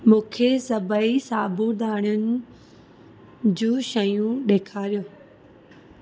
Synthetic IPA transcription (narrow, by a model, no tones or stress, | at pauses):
mũːkʰesɐbʱəisaːbʱud̪ʱaːɽ̃ʊnɪ̆ | d͡ʑũːʃɐjũɗeːkʰaːɾijoː